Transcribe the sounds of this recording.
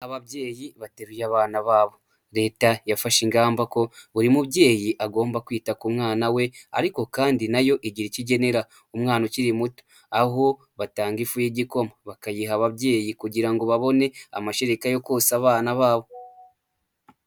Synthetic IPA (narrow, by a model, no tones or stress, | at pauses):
aβaβje̞ːjiβateɾujaːβaːnaβaːβo | ɾe̞ːtajafaʃiŋɡaːmbako̞βuɾimuβɟe̞ːjiʔaɡo̞ːmbakwiːtakumŋaːnawe̞a̰ɾiko̞kaːndinajo̞ʔiɟiɾiciɟe̞ne̞ɾa | umŋaːnociɾimuto̥ | aɦo̞ | βataːŋɡifujiɟiko̞maβakajiɦaβaβɟe̞ːjikuɟiɾaŋɡo̞βaβo̞ne̞a̰maʃeɾikajo̞koːsaβaːnaβaːβo̞